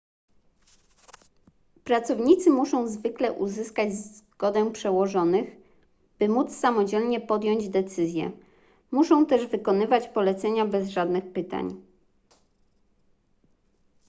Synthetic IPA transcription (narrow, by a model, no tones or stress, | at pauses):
pɾat̪sɔvɲit̪sɘmuʂɔ̃w̃zvɘklɛʔuzɘskad͡ʑzɡ̥ɔd̪ɛpʂɛwɔʐɔnɘɣ | b̥ɘmut̪ssamɔd͡ʑɛlɲɛpɔd̪jɔɲd͡ʑd̪ɛt̪sɘzʲjɛ̰ | muʂɔ̃w̃t̪ɛʐvɘkɔnɘvat͡ɕpɔlɛt̪sɛɲabɛzʐad̪nɘxpɘt̪a̰ɲ